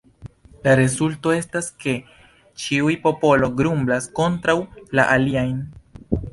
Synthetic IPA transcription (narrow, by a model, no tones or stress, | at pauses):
laɾe̞zulto̞e̞staske̞ | t͡ʃiujpo̞po̞lo̞ɡɾumblasko̞ntɾawlaʔaliajn